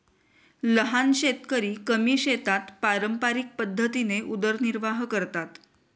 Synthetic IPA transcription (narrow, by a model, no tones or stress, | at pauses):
ləɦanɕet̪kəɾiːkəmiːɕet̪at̪paɾəmpaɾik̚pəd̪ʱːət̪ineʔud̪əɾniɾʋaɦkəɾt̪at̪